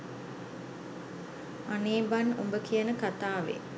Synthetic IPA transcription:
aneːbanombəkijənəkat̪aːʋḛ

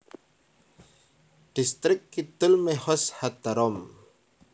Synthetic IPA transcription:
ɖ̥ist̪ɾɪkːit̪ʊlmehɔshat̪aɾɔm

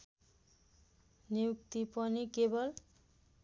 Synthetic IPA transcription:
nijuk̚t̪ipʌnikebʌl

